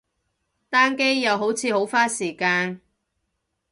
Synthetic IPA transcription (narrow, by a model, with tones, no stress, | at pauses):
t̪aː˥nke˥jːɐ˨˧wɦo˨˥wt͡sʰiː˨˧ho˨˥wfaː˥siː˨˩kaː˧n